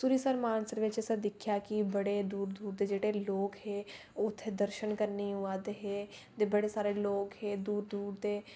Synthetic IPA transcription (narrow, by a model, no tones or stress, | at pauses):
suɾiːsəɾmaːnsəɾʋɪt͡ʃsəd̪ɪkʰjaːkibəɽeːd̪uːɾd̪uːɾd̪eːd͡ʒeːɽeːloːkheː | ʊt̪ʰːed̪əɾʃənkəɾniɦʊaːd̪eɦeːt̪eːbəɽeːsaːɾeːloːkheːd̪uːɾd̪uːɾd̪eː